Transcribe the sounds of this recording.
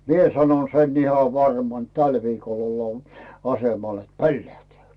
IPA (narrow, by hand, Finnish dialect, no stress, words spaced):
mie sɑnon sen ihɑ ʋɑrmɑn t tæl ʋiːkol olːɑː ɑsemɑl et polːæhtĕæˑ